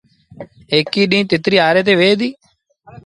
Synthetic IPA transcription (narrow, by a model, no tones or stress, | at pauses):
eːkiːɗĩːt̪ɪt̪ɾiːaːɾeːt̪̬eːʋeːd̪iː